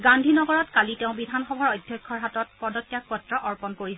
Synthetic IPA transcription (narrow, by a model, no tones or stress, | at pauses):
ɡandʱinɔɡɔɹɔtkaliteʊ̃bidʱanxɔbʱaɹɔjdʱjɔjkʰːɔɹɦatɔt̚pɔdɔtːjak̚pɔtɹɔʔɔɹpɔnkoɹisɛ